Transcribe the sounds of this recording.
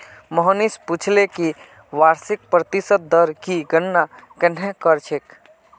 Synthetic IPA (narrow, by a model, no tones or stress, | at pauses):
mɔɦənisput͡ʃʰleki | ʋaɾsik̚pɾət̪isət̪̚d̪əɾkiɡənːakɛnɦẽkəɾt͡ʃʰek